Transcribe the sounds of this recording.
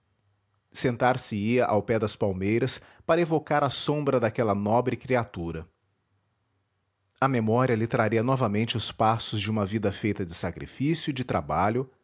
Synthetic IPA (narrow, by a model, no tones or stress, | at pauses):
sẽnt̪aɾsɪiɐʔawpɛd̪ɐspawmejɾɐspaɾɐevokaɾɐsõbɾɐd̪akɛlɐnɔbɾɪkɾiat̪uɾɐ | ɐmemɔɾiɐlɪt̪ɾaɾiɐnɔvɐmẽnt͡ʃɪʊspasʊzd͡ʒɪũmɐvid̪ɐfejt̪ɐd͡ʒɪsakɾḭfisjʊid͡ʒɪt̪ɾabaʎʊ